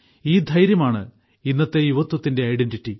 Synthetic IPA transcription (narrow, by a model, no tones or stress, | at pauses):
iːd̪ʱɐjɾjɐmaːɳɨ̰ | inːɐt̪ːe̞juʋɐt̪ːwɐt̪ːinde̞ɐjɖenditːi